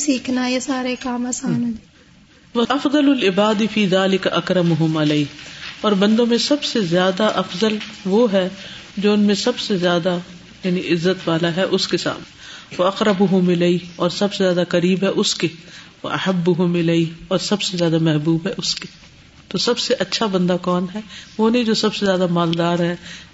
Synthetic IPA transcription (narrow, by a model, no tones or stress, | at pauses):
siːkʰnajesaːɾekaːmɐsaːn | ʋɐɐfd̪ɐlʊlɪbaːd̪ifiːðaːlɪkaʔɐkɾɐmʊɦʊmɐleiːɦɔːɾbɐ̃nd̪õmẽsɐbsezjaːd̪aʔɐfzəlʋoɦɛd͡ʒoːʊnmẽsɐbsezjaːd̪a | jaːniʔɪzːət̪ʋaːlaɦɛʔʊskesa̰ːmneʋɐɐqɾɐbʊɦʊmɪleiɦɔːɾsɐbsezjaːd̪akɐɾiːbɦɛʔʊske | ʋɐ̰ʔɐ̰hɐbːʊɦʊmɪleiɦɔːɾsɐbsezjaːd̪amɛɦbuːbɦɛʔʊske | t̪oːsɐbseʔɐtːʃʰabɐ̃nd̪akɔːnɦɛʋoːneĩd͡ʒoːsɐbsezjaːd̪amaːld̪aːɾɦɛː